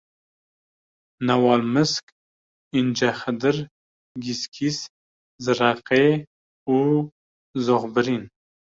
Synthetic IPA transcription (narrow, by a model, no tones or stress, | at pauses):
nawɑlmɨsk | ind͡ʒaxəd̪ɨɾ | ɡiskʰis | zɨɾaqe | u | zoʁbɨɾin